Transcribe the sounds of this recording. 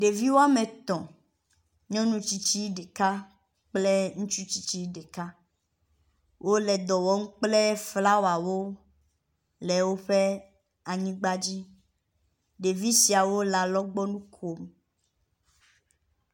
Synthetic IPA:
ɖe˨vi˦wo˦a˦mẽ˨t̪ɔ̃˨ | ɲɔ̃˦nũ˦t͡ɕi˦t͡ɕi˦ɖe˨ka˦ | k͡ple˦ŋũ˦t͡ʃu˦t͡ɕi˦t͡ɕi˦ɖe˨ka˦ | wʔo˦lɛ˨d̪ɔ˨wɔ˦ŋ̩˦k͡ple˦fla˦wo˨a˨wo˦ | lɛ˨wo˦ɸe˦ | a˨ɲĩ˦ɡ͡ba˦d͡ʑi˦ | ɖe˨vi˦si˨a˨wo˦la˨lɔ˦ɡ͡bɔ˦nũ˦kʰo˨m

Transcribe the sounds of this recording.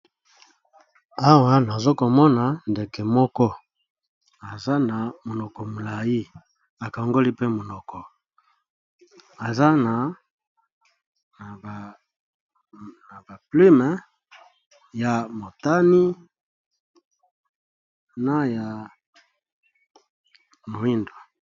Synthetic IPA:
a˦wa˦na˨zo˦ko˨mɔ˦na˨nde˨ke˨mɔ˦kɔ˦ | a˨za˦na˨mo˨nɔ˨kɔ˨mo˨la˨ji˦ | a˨ka˨ŋɡo˦li˦pe˦mo˨nɔ˨kɔ˨ | a˨za˦na˨ | b | na˨ba˨pli˦mɛ˨ | ja˨mo˨ta˦ni˦ | na˦ja˨ | mo˨i˦ndwo˨

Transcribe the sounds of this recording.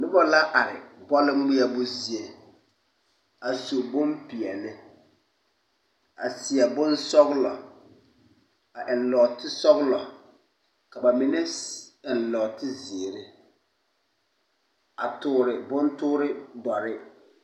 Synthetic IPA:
nʊ˦bɔ˦la˦ʔa˨ɾɪ˨bɔ˦lɪ˦mi˦a˦bʊ˦zi˦e˨ | a˨so˨bʊ˦mpi˨ɛ˨lɪ˦ | a̰˨sɪ˨a˨bʊ˦nsɔ˦ɣlɔ˨ | a˨ʔɪ˨nlɔː˨tɪ˦sɔ˦ɣlɔ˨ | ka˨ba˨mɪ˨nɛ˦ɪ˨nlɔː˨tɪ˦zɪː˨ɾɪ˦ | a˨tʊː˨ɾɪ˨bʊ˦ntʊː˦ɾɪ˦dɔ˨ɾɪ˦

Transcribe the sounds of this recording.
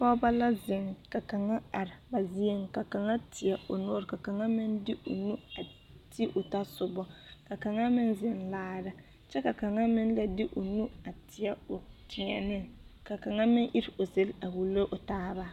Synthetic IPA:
fɔː˦ba˦la˦zɪ˨ŋka˨ka˨ŋa˦a˨ɾɪ˨ba˨zi˦e˦ŋ˨ka˨ka˨ŋa˦tʰɪ˨ɛ˦˨ʊ˨no˦ɾka˨ka˨ŋa˦mɪ˦ndɪ˦ʔo̰˨nu˦a˨ | tʰi˦ʔʊ˨ta˦sʊ˨bɔ˦ka˨ka˨ŋa˦mɪ˦nzɪ˨nlaː˦ɾa˦ | t͡ʃɛ˦ka˨ka˨ŋa˦mɪ˦n˦la˦dɪ˦ʔo˨nu˦a˨tʰɪ˨ɛ˦ʊ˨tɪ˨ɲɛ˨nɪ˦ka˨ka˨ŋa˦mɪ˦ŋʔi˦ɾɪ˨o˨ze˦la˨wu˨lo˦ʔʊ˨taː˦ba˦

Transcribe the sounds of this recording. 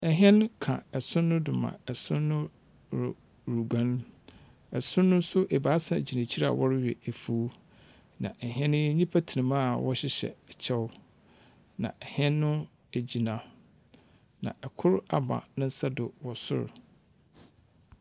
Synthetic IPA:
ɛ˨ɦɛ̃˦nkʰã̰˨ɛ˨sʊ̃˦nːʊ̃˦dʊ˨mã̰˨ɛ˨sʊ̃˦nːʊ̃˦ | ɾʊ˨ | ɾu˨ɡã˦n˦ | ɛ˨sʊ̃ː˦ʊ̃˦n˦sʊ˦ʔɛ˨baː˨˦sã˨d͡ʑi˨nã˨t͡ɕʰi˦ɾa̰˨wʔɔ˦ɾɪ˦ɥᶣɛ̰˨æ˨fu˨˦ | nã̰˨ʔɛ˨ɦɛ̃˦n˦ɲĩ˦pʰa˦tʰi˨nɪ̃˨mã˦˨wɔ˦ɕɪ˦ɕɛ̰˨ɛ˨t͡ɕʰɛ˦wʊ˦ | nã̰˨ʔɛ˨hɛ̃˦nːʊ̃˦ | æ˨d͡ʑi˨nã˨ | nã̰˨ʔɛ˨kʰʊ˦ɾa˨bã̰˨nʊ̃˦n̩˦sa˦dʊ˨wɔ˨sʊ̰˦ɾ

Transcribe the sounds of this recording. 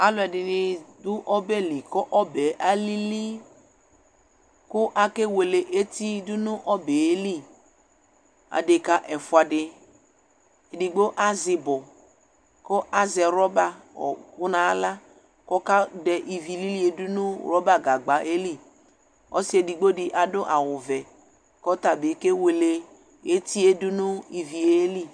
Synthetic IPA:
a˦lʊ˨ɛ˨dɪ˨nɪ˨dʊ˦ʔɔ˦bɛ˦li˨kɔ˦ʔɔ˦bɛ˨ʔa˦li˦li˦ | kʊ˦ʔa˨ke˦we˨le˨ʔe˦ti˦dʊ˦nʊ˦ʔɔ˦be˨e˦li˦ | a̰˨de˨ka˦ʔɛ˨fʊ˨a˨dɪ˨ | e˨di˨ɡ͡bo˦ʔa˦zɪ˨bɔ˨ | kɔ˦ʔa˦zɛ˨ɾɔ˦ba˦ɔ̰˨kʊ˦na˨˦la˦ | kɔ˦ka˦dɛ˨ʔi˨vi˨li˦li˦e˨dʊ˦nʊ˦ɾɔ˦ba˦ɡa˨ɡ͡ba˨ʔe˦li˦˨ | ɔ̰˦sɪ˦e˨di˨ɡ͡bo˦dɪ˨ʔa˨dʊ˦ʔa˨wʊ˨vɛ˨ | kɔ˦t̪a˨bɪ˨ke˦we˨le˨ | e˦ti˦e˦dʊ˦nʊ˦i˨vi˨e˦li˦

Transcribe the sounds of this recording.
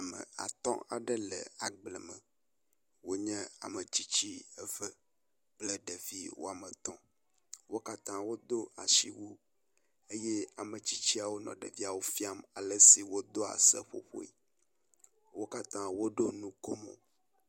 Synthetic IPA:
a˨mə̰̃˨a̰˨t̪ɔ̰̃˦a̰˨ɖə˦lə̰˨a˨ɡ͡blɛ˨mə̰̃˨ | wo˦ɲɛ̃˦a̰˨mə̃˨t͡ɕi˦t͡ɕi˦ə˦və˦ | k͡ple˨ɖe˨vi˦wo̰˦a˨mə̃˨t̪ɔ̃˦ | wo˦ka˦t̪ã˦wo˦d̪o˦a̰˨ʃi˦wu˦ | e˦je˦a˨mə˨t͡ɕi˦t͡ɕi˦a˨wo˦nɔ̰̃˨ɖḛ˨vi˦a˨wo˦fi˦a˦ma˨lə˦si˨wo˦d̪o˦a̰˨sə̰˦ɸo̰˦ɸo̰˦i˦ | wo˦ka˦t̪ã˦wo˦ɖo˦nũ˦ko˦mo̰˨

